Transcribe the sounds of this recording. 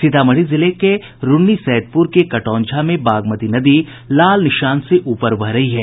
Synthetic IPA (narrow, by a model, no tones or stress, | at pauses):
sɪt̪aːmɐɽ̤izɪleke | ɾʊnːisɛːd̪̚pʊɾkekɐʈɔ̃ːnd͡ʒʰʱamẽbaːɡmət̪inɐd̪i | laːlnɪʃaːnseʔuːpəɾbʱɐɦɾɐɦiɦɛː